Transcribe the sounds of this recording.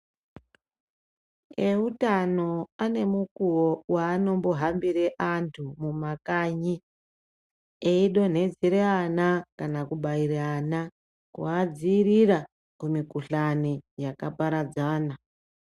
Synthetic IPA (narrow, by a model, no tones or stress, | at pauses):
eutano̞ane̞mukuwowaːno̞mbo̞ɦambiɾeʔantʰumumakaːɲi | eiɗo̞n̤e̞d͡ziɾeanakanakuɓaireana | kṵad͡ziːriɾa | kumikuɬanijakapaɾad͡zaːna